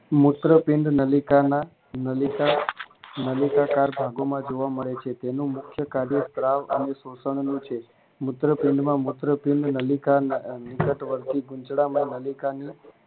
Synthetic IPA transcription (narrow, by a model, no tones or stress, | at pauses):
mʊt̪ɾəpɪɳɖnəlikana | nəlika | nəlikakaɾbʱaɡomãd͡ʒoʋaməɭet͡ʃʰet̪enũmʊkʰjəkaɾjəst̪ɾaʋə̰nesosəɳ̃nũt͡ʃʰe | mʊt̪ɾəpɪɳɖmãmʊt̪ɾəpɪɳɖnəlikanikəʈʋəɾt̪iɡʊ̃nt͡ʃɽamãnəlikani